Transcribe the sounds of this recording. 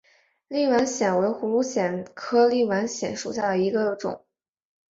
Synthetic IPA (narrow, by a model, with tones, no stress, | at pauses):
li˥˩wa˧˥nɕjɛ˨˩nwe˧˥ɪxu˧˥lu˥˩ɕjɛ˨˩nkʰɤ˥li˥˩wa˧˥nɕjɛ˨˩˥nʂṵ˨˩ɕja˥˩d̪ə˩i˧˥ɡə˧ʈ͡ʂʊ̰˨˩˦ŋ